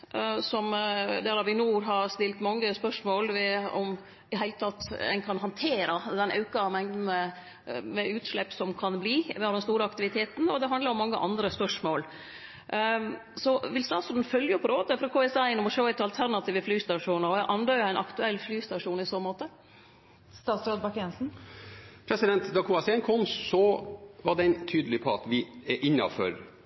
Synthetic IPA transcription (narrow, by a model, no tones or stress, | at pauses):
sɔmd̪æːɾɑʋɪnuːɾɦɑɾst̪ɪlt̪mɑŋːəspœʂmoːlʋɛɔ̰m | ɪɦæɪlət̪ʰɑt̪ːɛ̰ɪnkʰɑnɦɑnt̪ʰeːɾɑd̪ɛnɑ̰ʉkɑmɛŋd̪n̩ə | mɛʉːt̪ʂɭɛpːsɔmkʰɑnbliːʋɪhɑɾd̪ɛnst̪uːɾəɑkt̪ɪʋɪt̪ʰeːt̪n̩ɔd̪ɛɦɑnd̪lɑɾɔmɑŋːəʔɑnd̪ɾəspœʂmoːl | sɔʋɪlst̪ɑːt̪sʉnd̪̩fœljəpʰɔɾoːd̪əfɔɾɑkʰoːɛsæɪnːɔmɔʂoːɛt̪ːɑlt̪ʰæɾnɑt̪ʰiːʋəflyːst̪ɑʂuːnəɾɔʔɑnd̪œʏəæɪnʔɑkt̪ʉɛlːflyːst̪ɑʂuːnɪsoːnmoːt̪ə | st̪ɑːt̪sɾod̪bɑkɛnsn̩ | pʰɾɛsɪd̪ɛnt̪d̪ɑkʰʊɑsɛnkʰɔmsɔʋɑɖɛnt̪ʰyːd̪əlɪpʰɔɑt̪ʋɪɛʔɪnːɑ̰fɔ̰ɾ